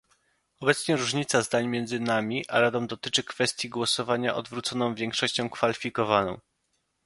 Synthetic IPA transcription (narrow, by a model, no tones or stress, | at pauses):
ɔbɛt̪sɲɛɾuʐɲit̪sazd̪aɲmʲjɛnd̪zɘnamʲiʔa̰ɾad̪ɔmd̪ɔt̪ɘt͡ʂɘkfɛst̪ʲjiɡwɔsɔvaɲaʔɔd̪vɾut̪sɔnɔ̃w̃vʲjɛŋkʂɔɕt͡ɕɔ̃w̃kfalʲifʲikɔvanɔ̰̃w̃